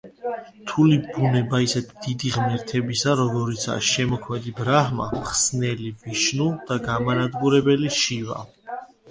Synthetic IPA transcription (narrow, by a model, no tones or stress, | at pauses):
t̪ʰulibunɛbaisɛt̪ʰd̪̥id̪iʁmɛɾt̪ʰɛbisaɾɔɡɔɾit̪sʰa̰ʃɛmɔkʰmɛd̪ibɾahma̰mχsnɛlibiʃnud̪̥aɡamanad̪ɡuɾɛbɛliʃiva̰